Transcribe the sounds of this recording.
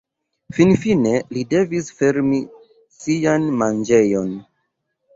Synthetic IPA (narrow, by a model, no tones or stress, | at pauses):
finfine̞lide̞visfe̞ɾmi | sianmand͡ʒe̞jo̞n